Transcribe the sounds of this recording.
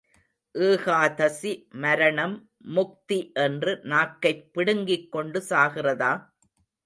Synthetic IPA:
ʔɯːɣaːðɐsimɐɾɐɳɐmː | ʊk̚t̪iʔɛndrɯnaːkːɐɪpːɪɽɯŋɡɪkːɔɳɖɯsaːɣɪrɐðaː

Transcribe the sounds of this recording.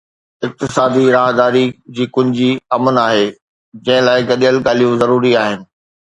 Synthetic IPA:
ɪk̚t̪ɪsaːd̪iɾaːɦd̪aːɾid͡ʑiːkʊ̃ɦɪ̃d͡ʑiːɐmənaːɦeː | d͡ʑɐ̃ɦɪ̃laːɪɡɐɗijəlɡaːlijũzɐɾuːɾiaːɦɪnɪ̆

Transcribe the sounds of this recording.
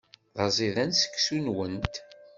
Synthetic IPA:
ðɑzˤiðænsə̥kːsunwənt̪

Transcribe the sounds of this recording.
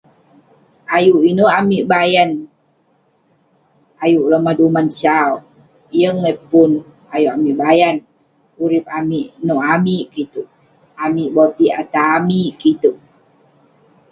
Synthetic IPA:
ʔajuʔinoamiʔbajan | ajuʔləmadumansaw | jəŋːɛpun | ajuʔamiʔbajan | uɾip̚amiʔnoʔamiʔkit̪uʔ | amiʔbot̪iat̪aːmiʔkit̪uʔ

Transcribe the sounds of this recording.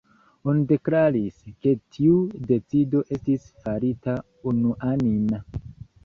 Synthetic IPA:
onide̞klaɾiske̞tʰiude̞t͡sido̞ʔe̞stis | faɾita | unuʔanin

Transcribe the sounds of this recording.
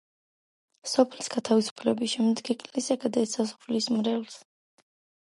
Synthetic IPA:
sɔpʰlisɡ̥at̪ʰavisu̥pʰlɛbisʃɛmd̪ɡikʼlisaɡad̪ɛsʰasɔ̥pʰlismɾɛls

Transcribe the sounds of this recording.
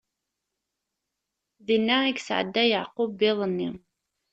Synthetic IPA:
ðinːaiɡsʕə̰d̪ːæjaʕqubɪðˤənːi

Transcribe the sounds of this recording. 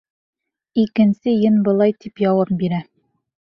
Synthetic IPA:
ikɘ̆nsɘjɤnbɤ̆lˠɑjt̪ipjɒwɑp̚biɾæ

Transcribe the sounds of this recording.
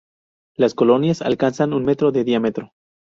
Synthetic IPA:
lasko̞lo̞njasa̰lkansanunme̞t̪ɾo̞ðe̞ðiamet̪ɾo

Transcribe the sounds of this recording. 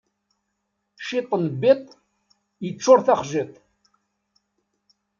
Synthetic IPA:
ʃit̪ˤːənbit̪ˤ | jət͡sːʊɾθaχʒit̪ˤ

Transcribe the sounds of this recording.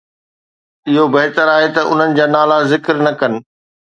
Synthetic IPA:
ɪɦobɐɦɪt̪əɾaːɦet̪ɐʔʊ̰n̤ənɪ̆d͡ʑaːnaːlazɪkɾnɐkɐnɪ̆

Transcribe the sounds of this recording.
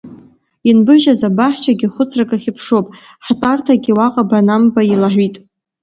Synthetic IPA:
inbɨʒazabaħt͡ʃʰaɡʲiχʷʊt͡sʰrakʼaχʲɪpʰʂopʼ | ħtʼartʰaɡʲiwaqʼabanambailaħʷitʼ

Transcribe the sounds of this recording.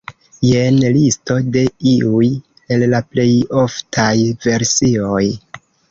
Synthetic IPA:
jenlisto̞de̞iuj | ellaple̞jo̞ftʰajve̞ɾsio̞j

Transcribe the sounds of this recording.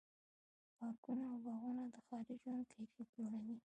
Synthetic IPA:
pɑkunaːwbaɣunad̪əxɑɾɪʒwand̪̚kʰajfeploɽawi

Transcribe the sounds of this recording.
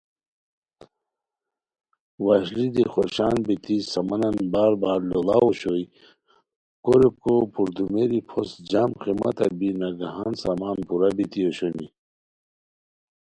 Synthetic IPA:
waɕlid̪ixoɾɕaːnbit̪isɐmɐnɐnbaːɾbaːɾlolawoɕoi | koɾep̚kopʰuɾd̪umeɾipʰosd͡ʑamqimɐ̰t̪ɐbinaɡaɦaːnsamaːnpuɾabit̪ioɕoni

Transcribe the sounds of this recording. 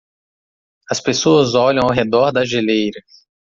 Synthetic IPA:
ɐspesoɐzɔʎɐ̃w̃awɦed̪ɔɾd̪ɐʒelejɾɐ

